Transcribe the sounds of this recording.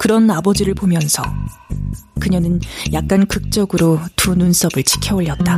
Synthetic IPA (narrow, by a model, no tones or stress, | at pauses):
kɯɾʌnabʌd͡ʑiɾɯɭbomjʌnsʰʌ | kɯɲʌnɯnjak̚k͈ankɯk̚t͡ɕ͈ʌɡɯɾotununs͈ʰʌbɯɭt͡ɕʰi̥kʰjʌoʎːʌt̚t͈a